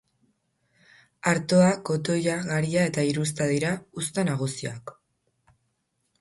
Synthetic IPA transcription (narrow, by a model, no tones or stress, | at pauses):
aɾt̪o̞ako̞t̪o̞jaɣaɾiae̞t̪aiɾus̬t̪aðiɾaust̪anaɣ̞usiak